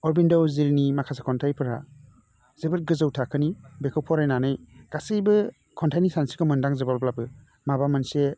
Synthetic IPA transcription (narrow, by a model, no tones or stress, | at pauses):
ɔɾbindɔwzilnimakʰasakʰɔntʰajpʰɯɾa | z̥ɯbɯt̚ɡɯzɯwtʰakʰɯnibekʰɯwpʰɔɾajnanɯjɡ̥asɯjbɯ | kʰɔntʰajnisansikɯmɯndaŋzɯbalblabɯ | mabamɯnse